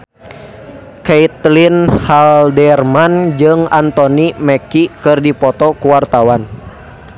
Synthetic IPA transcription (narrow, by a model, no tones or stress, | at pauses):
kɛit̪linhaldɛrmand͡ʒɨŋant̪ɔnimɛkikɨrdipɔt̪ɔkuwart̪awan